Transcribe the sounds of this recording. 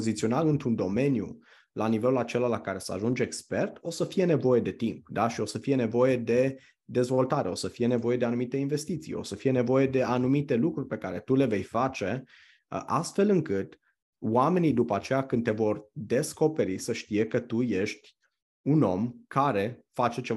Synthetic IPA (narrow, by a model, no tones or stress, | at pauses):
pozit̪sio̞nalɨnt̪ɾund̪o̞me̞njṵ | lanive̞lulat͡ʃe̞lalakaɾe̞səa̰ʒund͡ʒekspe̞rt̪o̞səfije̞ne̞vo̞je̞d̪e̞t̪impd̪aʃio̞səfije̞ne̞vo̞je̞d̪e̞ | d̪e̞zvo̞lt̪aɾe̞o̞səfije̞ne̞vo̞je̞d̪eanumit̪e̞inve̞st̪it̪sḭjo̞̰səfije̞ne̞vo̞je̞d̪e̞anumit̪e̞lukɾurʲpe̞kaɾe̞t̪ule̞ve̞jfat͡ʃe̞ | ʔast̪fe̞lɨŋkɨt̪ | wame̞nid̪upəat͡ʃe̞jakɨnd̪evo̞rd̪e̞sko̞pe̞ɾisəʃt̪ije̞kət̪uje̞ʃt̪ʲ | uno̞mkaɾe̞fat͡ʃe̞t͡ʃe